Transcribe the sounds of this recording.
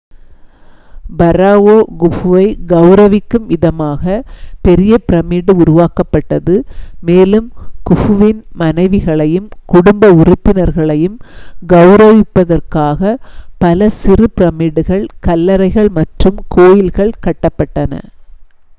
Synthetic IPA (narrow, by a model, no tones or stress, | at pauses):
bɐɾaːʋoːɡʊfʋɐɪɡɐʊɾɐʋɪkːɯmɪðɐmaːɣɐpɛɾɪjɐpɪɾɐmiːɽɯʊɾʊʋaːkɐpːɐʈːɐðɯmeːlɯmkʊfʊʋɪnmɐnɐɪʋɪɣɐɭɐjɯmkʊɽʊmbɐʊrʊpːɪnɐɾɣɐɭɐjɯmɡɐʊɾɐʋɪpːɐðɐrkaːɣɐpɐlɐsɪrɯpɪɾɐmiːɽɯɣɐɭkɐlːɐɾɐɪɣɐɭmɐʈrɯmkʰoːjɪlɣɐɭkɐʈːɐpːɐʈːɐnɐ̰